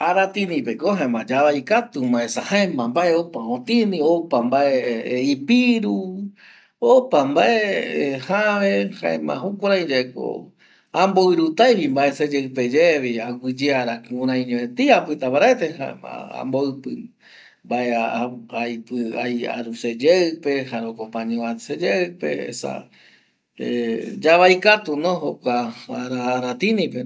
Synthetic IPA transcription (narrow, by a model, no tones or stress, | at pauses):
aɾat̪ĩnĩpekoɦãẽmãd͡ʒaβajkat̪umaesahaẽmãmbaʔeopaõt̪ĩnĩopambaʔeipiɾu | opambaʔehaβehã̰ẽmã̰hukʷaɾãj̃d͡ʒaeko̰ | amboɨɾut̪ajβimbaesed͡ʒeɨped͡ʒeβiaɡʷid͡ʒeaɾakɨũɾãj̃ɲẽẽt̪iapɨt̪apaɾaet̪eha̰a̰a̰mboɨpɨ | mbaʔeajpɨaja̰ɾused͡ʒeɨpe̞haɾokopãɲẽased͡ʒeɨpḛḛsa̰ | ḛd͡ʒaβajkat̪unõhokʷaaɾaɾat̪inĩpe